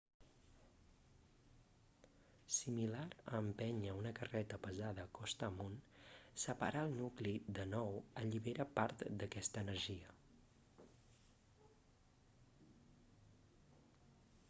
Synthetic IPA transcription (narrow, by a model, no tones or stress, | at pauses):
similaɾəmpɛɲəunəkərɛt̪əpəzaðəkɔst̪əmunsəpa̰ɾʔaəlˠnuklid̪ənɔwəʎiβeɾʔəpaɾt̪d̪əkɛst̪əːnəɾʒiə